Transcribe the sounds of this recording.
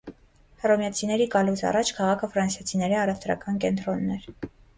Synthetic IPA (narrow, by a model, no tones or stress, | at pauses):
hrɔmjɑt͡sʰinɛɾikɑlusɑ̰rɑt͡ʃʰkʰɑʁɑkʰəfɾɑnsjɑt͡sʰinɛɾiɑrɛvt̪ɾɑ̰kɑnkɛnt̪ɾɔnːɛɾ